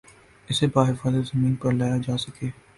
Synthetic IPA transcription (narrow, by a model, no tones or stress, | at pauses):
ɪsebaːɦɪfaːzət̪zɐmiːnpɐɾlaːjad͡ʒaːsɐkeː